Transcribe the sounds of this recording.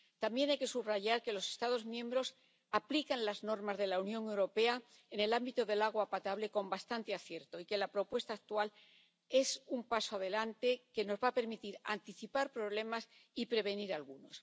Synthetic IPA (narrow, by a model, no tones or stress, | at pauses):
t̪ambje̞najke̞suβraʝaɾke̞lo̞se̞st̪að̞o̞zmjẽ̞mbɾo̞s | aplikanlazno̞ɾmazðe̞launjõ̞ŋe̞wɾo̞pe̞a | ene̞lambit̪o̞ðe̞laɣ̞wapat̪aβle̞ko̞mbast̪ant̪e̞aθje̞ɾt̪o̞ike̞lapɾo̞pwe̞st̪aːk̚t̪ual | e̞sumpasoaðe̞lant̪e̞ke̞no̞zβape̞ɾmit̪iɾa̰nt̪iθipaɾpɾo̞β̞le̞masipɾe̞β̞e̞niɾalɣuno̞s